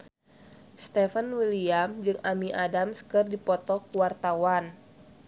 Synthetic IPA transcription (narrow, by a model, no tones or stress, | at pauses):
st̪ɛfənwiliamd͡ʒɨŋamiʔadamskɨrdipɔt̪ɔkuwart̪awan